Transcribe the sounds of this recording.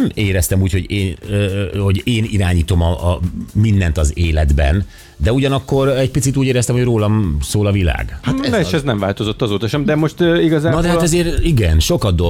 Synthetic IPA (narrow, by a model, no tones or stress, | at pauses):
meːɾɛst̪ɛmuːcho̞ɟeːnøho̞ɟeːniɾaːɲiːt̪o̞mɒmind̪ɛnt̪ɒzeːlɛd̪bɛ̰n | d̪ɛuɟɒnɒkːo̞ɾɛɟ̚pit̪sit̪uːɟeːɾɛst̪ɛmhojroːlɒmsoːlɒvila̰ːɡhaneʃɛznɛɱvaːlt̪o̞zot̪ːɒzoːt̪ɒʃɛmd̪ɛmoʃt̪iɡɒzaːnɒd̪ɛɦat̪ɛzeːɾiɡɛnʃo̞kɒd̪̚d̪o